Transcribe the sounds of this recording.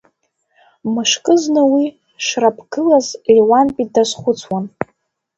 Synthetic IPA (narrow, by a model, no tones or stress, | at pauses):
mɨʂkʼɨznɨwi | ʂrapʰɡ̥ɨlazliwanpʼidazχʷʊt͡sʰwan